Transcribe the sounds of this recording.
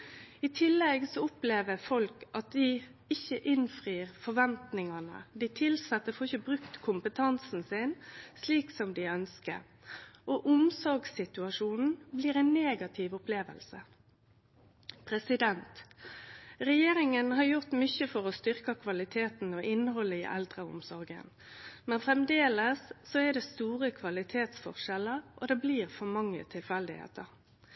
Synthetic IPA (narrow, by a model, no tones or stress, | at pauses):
ɪt̪ʰɪlːɛɡsɔʊpleːʋəfɔlkʔɑt̪̚d̪ɪ | ɪçəʔɪnfʁiːʁfɔʋɛnt̪nɪŋɑnə̰d̪ɪt̪ʰɪlsɑt̪ːəfɔɪçəbʁʉkt̪kʰʊmpət̪ʰɑnsn̩sɪnsliːksɔmd̪ɪœnskə̰ɾ | ʔɔʔʊmsɔɾɡsɪt̪ʉɑʂuːnn̩bliːɾɛɪnːeːɡɑt̪ʰɪʋʊpleːʋə̰lsə | pʰɾɛsɪd̪ɛnt̪ | ʁɛjeːɾɪŋənhɑʁjʊʁt̪mʏçəfɔʁɔst̪ʏʁkɑkʰʋɑlɪt̪ʰeːt̪n̩ɔʔɪnːəɦɔlːəḭːʔɛ̰ld̪ʁəʊ̰msɔʁɡə̰n | mɛnfʁɛmd̪eːləsːɔɛd̪ɛst̪uːʁəkʰʋɑlɪt̪ʰeːt̪sfɔ̰ʁʃɛlːəʁʔɔ̰d̪ɛbliːʁfɔmɑŋːə̰t̪ʰɪlfɛld̪ɪhḛːt̪əʁ